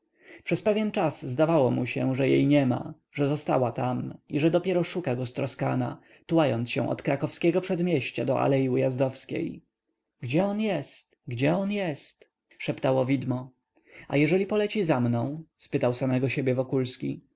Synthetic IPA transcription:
pʂɛspɛvʲjɛnt͡ʂazzd̪avawɔmuɕɛʐɛjḛjɲɛma̰ | ʐɛzɔst̪a̰wat̪amiʐɛd̪ɔpʲjɛɾɔʂukaɡɔst̪ɾɔska̰na̰ | t̪uwajɔnt̪sɕɛ̰̃ʔɔ̰t̪kɾakɔfskʲɛɡɔpʂɛd̪mʲjɛɕt͡ɕa̰d̪ɔʔa̰lɛjiujazd̪ɔfskʲḛj | ɡd͡ʑɛɔnjɛst̪ɡd͡ʑɛɔnjɛst̪ | ʂɛpt̪awɔvʲid̪mɔ | a̰jɛʐɛlʲipɔlɛt͡ɕizamnɔ̃w̃spɘt̪awsamɛɡɔɕebʲjɛvɔkulskʲi

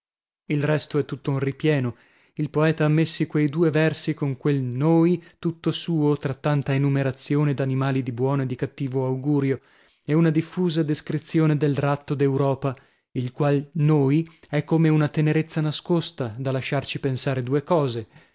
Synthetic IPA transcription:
ilrɛst̪oɛt̪ːut̪ːounripjɛːno | ilpoɛːt̪aamːesːikwejd̪uːevɛrsikoŋkwelnoːjt̪ut̪ːosuːot̪ɾat̪ːant̪aenumeɾat̪sjoːned̪animaːlid̪ibwɔːnoed̪ikat̪ːiːvoawɡuːɾjo | eunad̪ifːuːzad̪eskɾit̪sːjoːned̪elrat̪ːod̪ewɾɔːpa | ilkwalnoːjɛkːomeunat̪eneɾet̪sːanaskost̪ad̪alaʃːart͡ʃipensaːɾed̪uːekɔːze

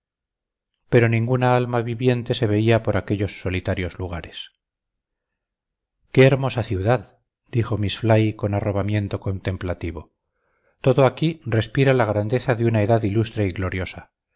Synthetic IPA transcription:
pe̞ɾo̞nĩŋɡunaalmaβiβje̞nt̪e̞se̞βe̞iapo̞ɾakeʎo̞sːo̞lit̪aɾjo̞zluɣ̞aɾe̞s | ke̞ːɾmo̞saθjuðað | d̪̥ixo̞misflajko̞naro̞βamje̞nt̪o̞ko̞nt̪e̞mplat̪iβ̞o̞̰ | t̪o̞ðoakire̞spiɾalaɣ̞ɾand̪e̞θaðeunae̞ðaðilust̪ɾeiɣlo̞ɾjo̞sa

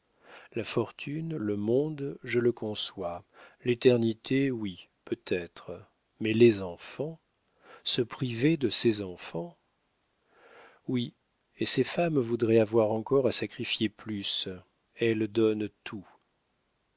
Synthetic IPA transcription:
lafɔʁt̪ʰynləmɔ̃d̪ʒələkɔ̃swalet̪ɛʁnit̪ʰewi | pøt̪ʰɛt̪χə | mɛlezɑ̃fɑ̃ | səpχived̪əsezɑ̃fɑ̃ | wi | esefamvud̪ʁɛavwaʁɑ̃kɔʁasakχifjeplys | ɛld̪ɔnt̪ʰu

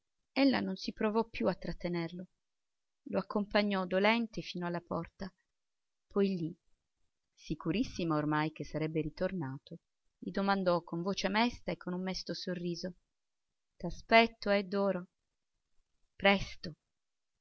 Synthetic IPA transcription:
elːa̰nonsipɾovɔpːjuat̪ːɾat̪ːenerlo | loakːompaɲːɔd̪olɛnt̪efiːnoalːapɔrt̪a | pʰɔjli | sikuɾisːimaormajk̟esːaɾɛbːeɾit̪ornaːt̪o | ʎid̪omand̪ɔkːoɱvoːt͡ʃeamɛst̪aekːonumːɛst̪osorːiːzo | d̪̥aspɛt̪ːoɛd̪ːɔːɾo | pɾɛst̪o

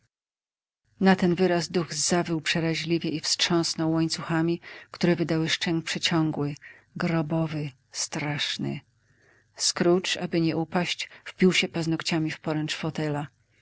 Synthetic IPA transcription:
nat̪ɛnvɘɾazd̪uɣzavɘwpʂɛɾaʑlʲivʲjɛʔifstʂɔ̃w̃snɔwːɔɲt̪suxamʲikt̪uɾɛvɘd̪awɘʂt͡ʂɛŋk̚pʂɛt͡ɕɔ̃ŋɡwɘ | ɡɾɔbɔvɘ | st̪ɾaʂnɘ̰ | skɾut͡ʂabɘɲɛʔupaɕt͡ɕfpʲiwɕɛpaznɔkt͡ɕamʲifpɔɾɛnt͡ʂfɔt̪ɛla

